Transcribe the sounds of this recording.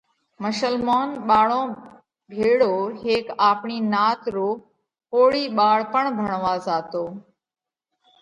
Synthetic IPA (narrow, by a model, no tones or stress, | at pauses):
məʃəlmoːnɓaːɭõː | bʱeːɽoːɦeːkaːpɳiːnaːt̪ɾoː | hoːɽiːɓaːɭpəɳbʱəɳʋaːzaːt̪oː